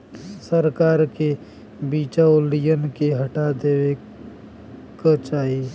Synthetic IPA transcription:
səɾkaːɾke | biːt͡ʃaʊlijənkeɦəʈad̪eːwe | kət͡ʃaːɦi

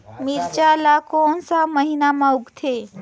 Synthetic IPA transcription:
miɾt͡ʃalakɔːnsaməɦinamãʊɡt̪ʰe

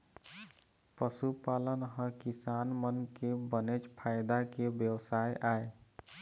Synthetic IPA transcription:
pəsupalənɦəkisanmənkebənet͡ʃpʰajd̪akebjəwsajʔae

